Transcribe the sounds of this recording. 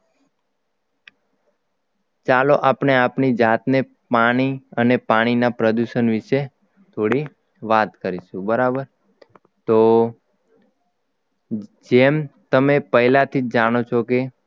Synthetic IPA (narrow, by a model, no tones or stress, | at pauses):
t͡ʃaloʔapɳeapnid͡ʒat̪ne | paɽ̃iənepaɽ̃inapɾəd̪uʃənʋɪʃe | t̪ʰoɽi | ʋat̪kəɾiʃũbəɾabəɾ | t̪o | d͡ʒemt̪əmepəɦilat̪ʰid͡ʒd͡ʒaɽ̃ot͡ʃʰoke